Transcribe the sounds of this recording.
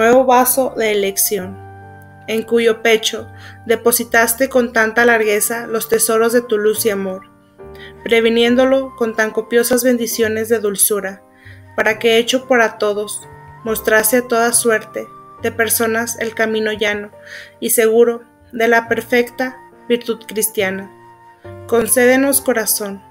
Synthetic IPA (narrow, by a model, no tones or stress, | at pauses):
nwe̞βo̞βaso̞ðe̞ːle̞ksjo̞n | e̞ŋkuʝo̞pe̞t͡ʃo̞d̪e̞po̞sit̪ast̪e̞ko̞nt̪ant̪alaɾɣe̞salo̞st̪e̞so̞ɾo̞zðe̞t̪ulusiamo̞ɾ | pɾe̞β̞inje̞nd̪o̞lo̞ko̞nt̪aŋko̞pjo̞sazβe̞nd̪isjo̞ne̞zðe̞ðulsuɾa | paɾake̞et͡ʃo̞poɾat̪o̞ðo̞s | mo̞st̪ɾast̪e̞at̪o̞ðaswe̞ɾt̪e̞ðe̞pe̞ɾso̞nase̞̰lkamĩno̞ʝano̞ise̞ɣ̞uɾo̞ | ðe̞lape̞ɾfe̞kt̪a | βiɾt̪uð̥kɾist̪jana | ko̞nse̞ðe̞no̞sko̞ɾaso̞n